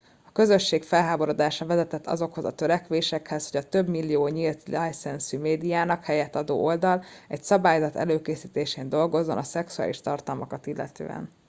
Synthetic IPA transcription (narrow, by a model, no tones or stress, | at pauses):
ɒkø̞zø̞ʃːeːkfɛlɦaːbo̞ɾod̪aːʃɒvɛzɛt̪ɛt̪ʰːɒ̰zo̞kho̞zɒ̰t̪ø̞ɾɛkʋeːʃɛkhɛsho̞ɟɒt̪ø̞bmilːijoːɲilt̪lɛjsɛnsymeːd̪ijaːnɒkhɛjɛt̪ːɒd̪o̰ːʔo̞ld̪ɒlɛcsɒbaːjzɒt̪ɛ̰løːkeːsiːt̪eːʃeːnd̪o̞lɡo̞zːo̞nɒsɛksua̰ːliʃt̪ɒrt̪ɒlmɒkɒt̪ilːɛ̰t̪ø̰ːɛ̰n